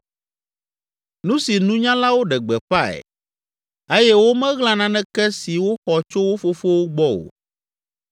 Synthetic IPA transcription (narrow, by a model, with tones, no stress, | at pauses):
nũ˦si˨nũ˦ɲã˦la˦wo˦ɖɛ˨ɡ͡bɛ˨ɸa˦ɛ̰˨ | e˦jɛ˦wo˦mɛ̃˦ɣlã˦nã˦nɛ̃˦kɛ˦si˨wo˦xɔ˨t͡ʃo˦wo˦fo˦fo˦wo˦ɡ͡bɔ˦o̰˨